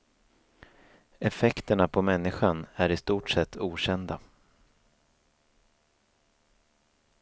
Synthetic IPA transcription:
ɛfɛkt̪əɳapʰɔmɛnːɪɧanæɾɪst̪uːʈsɛt̪ʰːuːɕɛnd̪a

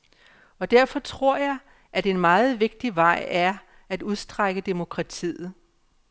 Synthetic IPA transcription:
ɒ̽d̥æɐfɒ̽t͡sʰʁo̝ɐ̰jɑ̈ɪ | ʔæd̥eenmɑ̈ːð̩ˠʋe̝ɡ̥̚d̥iʋɑ̈ɪ̰æɐ | æd̥uð̞ˠsd̥ʁaɡ̥əd̥e̝mo̝kʰʁɑ̈t͡sʰḭːð̩ˠ

